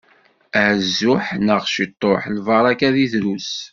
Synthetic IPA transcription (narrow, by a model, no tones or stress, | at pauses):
əʕzːʊħnəʁʃit̪ˤːoħlvɑɾˤɑkæðiðɾus